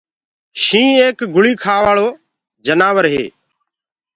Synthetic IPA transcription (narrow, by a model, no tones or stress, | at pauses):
ʃĩːeːkɡʊɭiːkʰaːʋaːɭoː | d͡ʒənaːʋəɾɦḛː